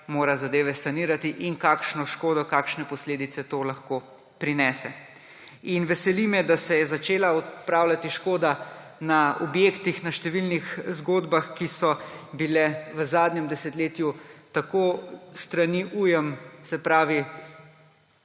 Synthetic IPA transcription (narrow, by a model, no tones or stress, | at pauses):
moːɾazad̪eːʋɛsaniːɾat̪iʔiŋkaːkʃnɔʃkoːd̪ɔkaːkʃnɛpɔsleːd̪it̪sɛt̪oːlaxko | pɾinɛːsɛ | inʋɛsɛlimɛd̪asɛjɛzat͡ʃeːlaɔt̪pɾaːwlʲat̪iʃkoːd̪a | naɔbjeːkt̪ixnaʃt̪ɛʋilnixzɡoːd̪baxkisɔbilɛʋəzaːd̪ɲɛmd̪ɛsɛt̪leːt̪jut̪akost̪ɾaniʔujɛmsɛpɾaːʋi